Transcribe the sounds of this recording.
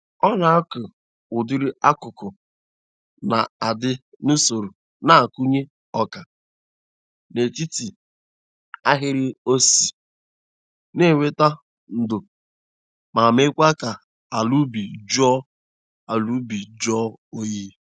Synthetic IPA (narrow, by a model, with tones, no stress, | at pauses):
ɔ˦na˨a˦kʊ˨ | ʊ˨dɪ˦ɾɪ˦a˦kʊ˨kʊ˨ | na˨a˨dɪ˦ | nu˦so˨ɾu˨ | na˨a˨ku˦ɲe˦ | ɔ˦ka˨ | ne˨ti˦ti˨ | a˦ɦɪ˦ɾɪ˦o˦si˨ | ne˦˨we˦ta˦ | n̩˨dʊ˨ | ma˨me˦kʷa˦ka˨ | a˨lu˦bi˨d͡ʒɔ˦ | a˨lu˦bi˨d͡ʒɔ˦o˦ji˦